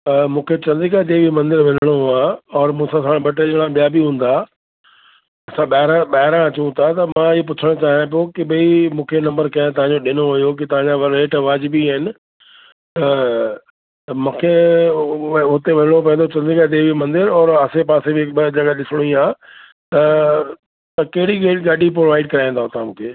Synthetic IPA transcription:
mũːkʰet͡ɕɐ̃nd̪ikad̪ebʱimɐ̃nd̪ɪɾʋɐl̤əɽ̃oɦaːɔːɾmũːsãsaːɽ̃bʱɐʈ̬eɗɽ̃ãɓijabʱiɦũːn̆d̪a | ɐsãɓaːɦɪɾãɓaːɦɪɾãɐt͡ɕũt̪ʰat̪ɐmãɪɦop̬ʊt͡ɕʰəɽ̃ʊt͡ɕaːɦjãp̬okɪɓɐimũːkʰenɐ̃mbəɾkɐ̃ɪ̃t̪ɐʋ̤ãɲd͡ʑoɗɪnoɦʊjok̬ɪt̪ɐʋ̤ãɲd͡ʑaʋɾeːʈʋaːd͡ʑɪbiaɦɪnɪ̆ | t̪ɐ | t̪ɐmũːkʰe | ʊt̪eʋɐɪɽop̬ɐ̃ẽnd̪ot͡ɕɐ̃nd̪ĩkad̪ebimɐ̃nd̪ɪɾɔːɾɐsepaːsebɪɪkd͡ʑɐɡaɗɪsɪɽ̃ĩaː | t̪ɐ | t̪ɐkɐɦɪɽiɡeɡaɖʱipɾoʋaːɪɖkɐɾaːĩnd̪aɦʊ̃t̪amũːkʰeː

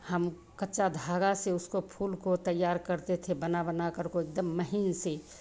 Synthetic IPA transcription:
həm | kətːʃad̪ʱaːɡaseʊskopʰuːlkot̪əjːaːɾkəɾt̪et̪ʰebənabənakəɾkoek̚d̪əmːəɦinse

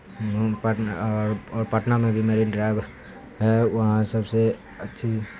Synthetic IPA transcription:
paʈɔːɾɔːɾpaʈnamẽbʱimeːɾiɖɾaːɪb | ɦɛʋɐɦãsɐbse | ətːʃʰi

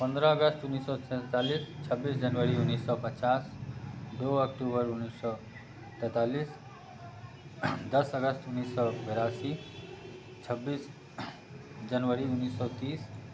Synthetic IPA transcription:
pʌnd̪ɾʌːɡʌst̪unːisːɔsɛ̃t̪alist͡ʃʰʌbːisd͡ʒʌnʋəɾiunːisːɔpət͡ʃasd̪oʌkʈubʌɾunːisɔ | t̪ɛt̪alis | d̪ʌsʌɡʌst̪unːisːɔbeɾasi | t͡ʃʰʌbːis | d͡ʒʌnwəɾiunːisːɔt̪iːs

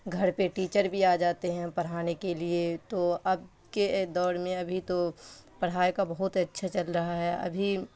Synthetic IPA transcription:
ɡʱɐɾpeʈiːt͡ʃəɾbʱiaːd͡ʒaːt̪eɦɛ̃pɐɽ̤aːnekeliet̪oɐb̚ | ked̪ɔːɾmẽɐbʱit̪opɐɽ̤aːekabɐɦʊt̪ɐtːʃʰat͡ʃɐlɾɐɦaɦɛɐ̰bʱi

